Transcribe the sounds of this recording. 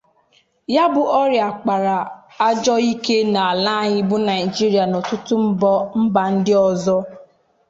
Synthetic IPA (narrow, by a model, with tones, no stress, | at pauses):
ja˦bʊ˨ʔɔ˦ɾja˨k͡pa˨ɾa˨ | a˦d͡ʒɔ˦i˦ke˦na˨a˨la˦ɲɪ˦bʊ˦na˨i˨d͡ʒi˦ɾi˨a˨no˨tʊ˦tʊ˦m̩˦bɔ˦m̩˦ba˨n̩˦dɪ˦ɔ˨zɔ˦